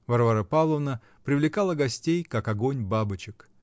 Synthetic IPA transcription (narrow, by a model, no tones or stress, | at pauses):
vɐrvaɾəpalˠəvnə | pɾʲɪvlʲɪkalˠəɡɐsʲtʲejkakɐɡonʲbabɨt͡ɕɪk